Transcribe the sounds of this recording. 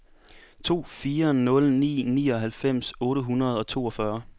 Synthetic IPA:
t͡sʰo̝̰ːfiːɐnɔ̽lnḭːnḭːɒ̽ɦælfem̰sɔ̽ːɾəɦunɐð̞̩ˠɒ̽t͡sʰo̝̰ːɒ̽fɶɐ

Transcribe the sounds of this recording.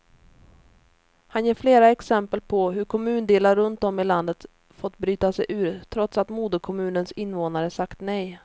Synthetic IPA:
hanjeːɾfleːɾaɛksɛmpəlpʰɔɦɵɾkʰɔmʉ̟ːnd̪eːlaɾɵnt̪ɔmɪland̪ət̪ | fɔt̪ːbɾyːt̪asɛjʔʉ̟ːɾt̪ʰɾɔt̪sat̪muːd̪əkʰɔmʉ̟ːnənsɪnːvoːnaɾəsakt̪nɛj

